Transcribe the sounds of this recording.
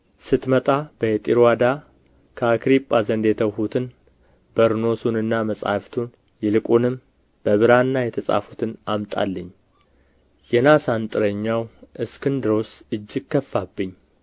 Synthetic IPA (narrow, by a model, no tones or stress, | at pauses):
sɨt̪mət̪ʼab̥əet̪ʼiɾwad̪a | kʰəakɾipʼːazənd̪et̪ʰəwhut̪ʰɨn | bəɾno̞sunɨnːaməsʼa̰ft̪ʰun | jɛlɨkʼunɨm | b̥əβɨɾanːajɛt̪ʰəsʼa̰fu̥t̪ʰɨnamt̪ʼa̰lːəɲː | jɛnasant̪ʼɨɾəɲːawʔɨskɨnd̪ɨɾo̞sɨd͡ʒːɪɡ̚kʰːəfːabːɨɲː